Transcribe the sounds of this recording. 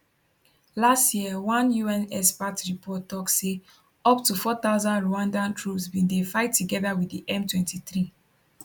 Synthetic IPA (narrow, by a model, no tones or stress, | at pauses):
lastjiəwãnjuɛ̃nɛspatɹipʰɔtːɔkse | ɔptufɔθaʊzãndɹoãndãntʰɹupsbĩndefaɪtːuɡɛðawidiʔɛ̃mtwɛ̃ntiθɹi